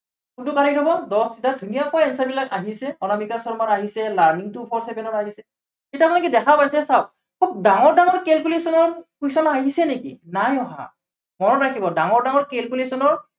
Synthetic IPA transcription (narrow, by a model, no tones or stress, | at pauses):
kuntʊkaɹidɔbɔdɔsidadʱunijakɔaɛnsabilakaɦisɛɔnɔmikasɔɹmaɹaɦisɛlaɹmiŋtʊpʰɔɹsɛpɛnɔɹaɦisɛ | xetapanakɛdɛkʰapajsɛsaʊ | kʰup̚daŋɔɹdaŋɔɹkelkulesɔnɔɹkusɔnɔaɦisɛnekḭnajɔɦa̰ | mɔɹɔtɹakʰibɔdaŋɔɹdaŋɔɹkelkulesɔnɔɹ